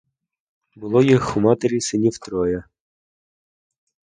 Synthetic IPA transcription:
bʊlˠɔjixʊmɑt̪eɾʲisɪnʲiwt̪ɾɔjɐ

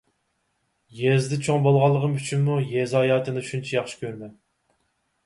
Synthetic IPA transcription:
jɛzd̪ɪt͡ʃʰoŋbolˠʁɑlˠːəʁəmyt͡ʃʰynmujɛzɑːjɑːt̪ʰɨnɨʃunt͡ʃʰɛjɑχʃi̥kʲʰøɾmɛn

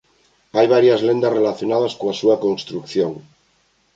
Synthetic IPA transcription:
ajβ̞aɾjazlend̪azrelaθjo̞naðaskoasuako̞nst̪ɾukθjoŋ

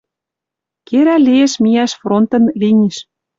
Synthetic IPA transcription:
keɾælʲieʃmijæʃfront̪ɤ̆nlinʲiʃ

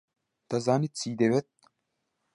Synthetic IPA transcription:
d̪̥ɐzaːnit̪̚t͡siːd̪ewet̪̚

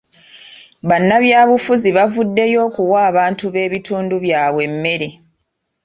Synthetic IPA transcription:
βanːaβjaːβufuziβavudːe̞jo̞ːkuwaːβaːntuβe̞ːβituːnduβjaːβwe̞mːe̞ɾi

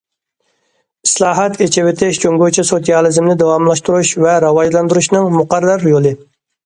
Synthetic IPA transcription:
islˠɑːɦɑt̪ʰet͡ʃʰɪwɪt̪ʰɪʃd͡ʒʰøŋɡʲot͡ʃʰisot̪ijɑlˠɨzmnɪd̪ɑwɑmlˠɑʃt̪uɾuʃvɛɾɑwɑʒlˠɑnd̪uɾuʃnɨŋmʊqɑɾɑɾjolˠɨ

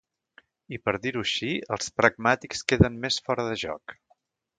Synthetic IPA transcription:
ipəɾðiɾuʃiəlˠspɾəɡ̚mat̪ikskeðəmmesfɔɾəðəʒɔ̰k

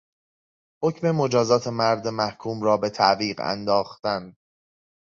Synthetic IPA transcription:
ho̞cʰme̞mo̞d͡ʒɒːzɒːt̪ʰe̞mæɾd̪emæhkʰuːmrɒːbe̞t̪ʰæʔviːɢæ̰nd̪ɒːxt̪æn

